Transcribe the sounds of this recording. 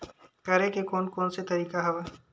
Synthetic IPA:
kɐɾekekoːnkɔːnset̪ɐɾiːkaɦɛwa

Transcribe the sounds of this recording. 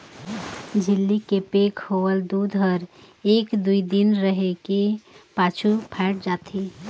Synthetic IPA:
d͡ʒʱɪlːikepeːkhowəld̪ud̪ʱɦəɾ | eːkd̪uid̪ɪnɾəɦekepaːt͡ʃʰupʰɛːʈ̚d͡ʒaːt̪ʰi

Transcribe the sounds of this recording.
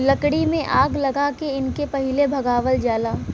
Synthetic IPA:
lɐkɽimẽʔaːɡlɐɡakeɪnkepɐɦɪlebʱɐɡaːʋəld͡ʒaːlaː

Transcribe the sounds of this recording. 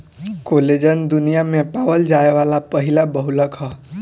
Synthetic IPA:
koled͡ʒənd̪unijamepawəld͡ʒaeʋalapəɦilabəɦuləkɦə

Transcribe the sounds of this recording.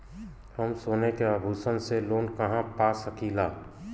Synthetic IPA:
həmsoːnekeəbʱuːsənseloːnkɐɦãpasəkilaː

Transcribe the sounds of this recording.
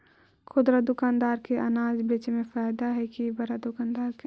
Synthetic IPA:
kʰʊd̪ɾad̪ʊkaːnd̪aːɾkeʔɐ̰naːd͡ʒbet͡ʃmẽfaːjd̪aɦɛkibɐɾad̪ʊkaːnd̪aːɾke

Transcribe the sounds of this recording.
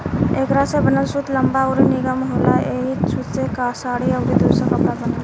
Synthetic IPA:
eːkɾasebənəlsut̪ləmbaɔɾinɪɡəmɦoːlaeɦit͡ʃʰut̪sekasaːɽiəʊɾid̪uɾsəkəpɾabənal

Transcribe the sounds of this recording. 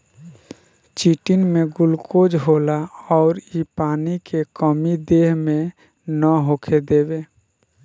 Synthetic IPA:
t͡ʃiːʈɪnmẽɡʊlkoːd͡ʒɦoːlaɔːɾipaːnikekəmid̪eːɦmẽ | nəɦoːkʰed̪eːbeː

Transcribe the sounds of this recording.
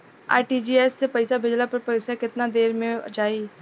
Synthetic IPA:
a̰ːʈiːd͡ʒiːɛːsːepəɪsabʱɪd͡ʒlapəɾpəɪsakɪt̪nad̪eːɾmẽd͡ʒaːiː

